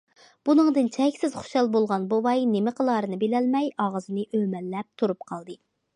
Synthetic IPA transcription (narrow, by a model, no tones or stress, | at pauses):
b̥unɨŋd̪ɨnt͡ʃʰɛkʲsɪzχu̥ʃɑlˠbolˠʁɑnbuvɑjnemɪqʰəlˠɑɾɨnɨbelɛlmɛjɑʁəzɨnɨʔømɛlːɛp̚t̪ʰuɾup̚qʰɑlˠd̪ɨ